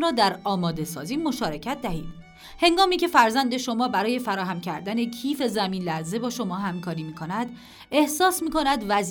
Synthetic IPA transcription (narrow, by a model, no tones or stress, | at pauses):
ɾɒːd̪æɾɒːmɒːd̪e̞sɒ̰ːziːmo̞ʃɒːɾe̞cʰæt̪̚ʰd̪æhḭːd̪̥ | heŋɡɒːmiːcʰe̞fæɾzænd̪e̞ʃo̞mɒːbæɾɒːje̞fæɾɒːɦæmcʰæɾd̪æne̞cʰiːfe̞zæmiːnlæze̞bɒːʃo̞mɒːɦæmkʰɒːɾiːmiːkʰo̞næd̪ | e̞hsɒːsmiːko̞næd̪væz